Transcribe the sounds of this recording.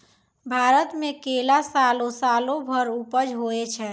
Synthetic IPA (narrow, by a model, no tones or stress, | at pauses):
bʱaɾət̪mekelasalosalobʱəɾupəd͡ʒɦoɛt͡ʃʰɛ